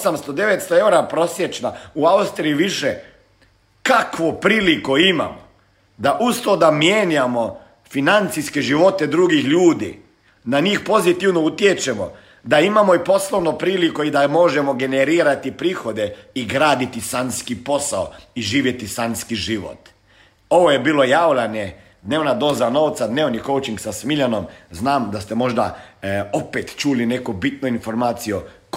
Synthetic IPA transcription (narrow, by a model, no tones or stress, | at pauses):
samst̪od̪e̞ʋet̪st̪oe̞wɾapɾo̞sjet͡ʃnauaust̪ɾijiʋiʃe | kakʋo̞pɾiːlikoima̰mo | d̪aʔust̪od̪amjeɲamo̞ | finant̪siske̞ʒiʋo̞t̪e̞d̪ɾuɡixʎuːd̪ḭ | naɲiːxpo̞zit̪iʋno̞ut̪jet͡ʃe̞mo̞̰ | d̪aimamo̞ipo̞slˠoʋno̞pɾiːlikoid̪amo̞ʒemoɡe̞neɾiːɾat̪ipɾiːxo̞d̪eiɡɾaːd̪it̪isanskipo̞saoiʒiːʋje̞t̪isanskiʒiʋo̰t̪ | o̞ʋojebiːlo̞jaːwlʲane | d̪neːʋnad̪o̞ːzano̞ːʋt̪sad̪neːʋniko̞wt͡ʃiŋɡsasmiʎano̞mznaːmd̪ast̪emo̞ʒd̪a̰opet̪t͡ʃuline̞kubit̪noinfo̞ɾmaːt̪sijok